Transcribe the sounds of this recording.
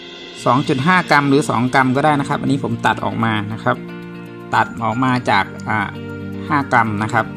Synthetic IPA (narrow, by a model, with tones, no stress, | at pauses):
sɔː˩˦ŋt͡ɕu˨˩t̪̚ɦaː˥˩ka˧mɾɯː˩˦sɔː˩˦ŋka˧mkɔː˥˩daː˥˩jna˦˥kʰa˦˥p̚ʔa˧niː˦˥pʰo˩˦mt̪a˨˩t̪̚ʔɔ̰ː˨˩k̚maː˧na˦˥kʰa˦˥p̚ | t̪a˨˩t̪̚ʔɔː˨˩k̚maː˧t͡ɕaː˨˩k̚ʔaː˨˩ | haː˥˩ka˧mna˦˥kʰa˦˥p̚